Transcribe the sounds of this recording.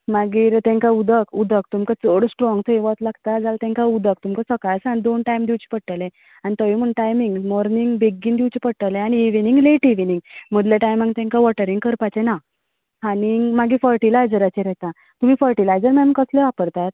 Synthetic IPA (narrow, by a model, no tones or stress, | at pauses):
maɡiːɾt̪ɛ̃ŋkaud̪ʱəkud̪ʱəkt̪umkət͡soɽsʈɾɔ̃ŋɡt̪ʰəiʋət̪laɡ̚t̪ad͡zalt̪ɛ̃ŋkaud̪ʱək̚t̪umkəsəkajsanid̪onʈajmd̪iwt͡ɕi̥pəɽ̚ʈəlẽ | anit̪əʋim̤əɳʈajmiŋɡmɔɾniŋɡbeɡiːnd̪iwt͡ɕipəɽʈəlẽañiːʋiniŋɡleʈiʋiniŋɡm̤əd̪ljaʈajmãŋɡt̪ɛ̃ŋkaʋɔʈəɾiŋɡkəɾpat͡ɕena | ɦanimaɡiːfəɾʈilajd͡zəɾat͡ɕɛɾɛt̪ã | t̪um̤iːfəɾʈilajd͡zəɾmanunkəsleʋapəɾt̪at̪̚